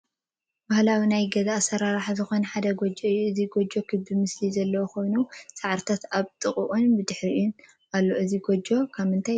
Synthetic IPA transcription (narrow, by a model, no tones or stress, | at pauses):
bahlawinajɡɐzaʔsɐɾaɾaħzɨxo̞nħad̪ɐɡod͡ʒɐɨjːuɨziɡod͡ʒo̞kʰɨbimɨslizɐlːɐwoko̞jnusaʕɾt̪ʰat̪aβt̪ʼɨχʼuʔʼunbɨd̪ɨħɾiun | alːo̞ʔɨziɡod͡ʒo̞kʰaβɨnt̪ʰaj